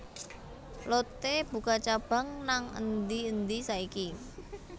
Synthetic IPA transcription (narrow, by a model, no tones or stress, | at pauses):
lot̪eb̥ṳkat͡ʃab̥a̤ŋnaŋə̰nd̪iənd̪isaiki